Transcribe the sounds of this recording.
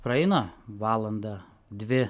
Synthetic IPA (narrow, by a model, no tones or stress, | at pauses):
pɾɐɛɪnɐʋɑːlˠɐnd̪ɐ | d̪ʲʋʲɪ